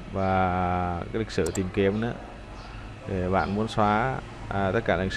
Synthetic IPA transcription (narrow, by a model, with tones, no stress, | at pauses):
vaː˨˩aːaː˨˦li˨˩k̚sɨ̰˧˩t̪i˨˩mke˨˦əmnɨ̰˧˦ | t̪ʰe˨˩ɓa̰ː˧˨nmu˨˦ənswaː˨˦˧ | t̪ə˦˥t̚kaː˧˩˨k̚